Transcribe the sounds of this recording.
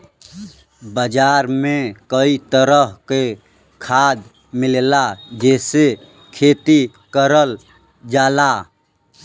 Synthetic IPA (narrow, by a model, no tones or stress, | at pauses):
bəd͡ʒaɾmẽkəit̪əɾəɦke | kʰaːd̪ | mɪllad͡ʒɛːse | kʰeːt̪i | kəɾəl | d͡ʒaːla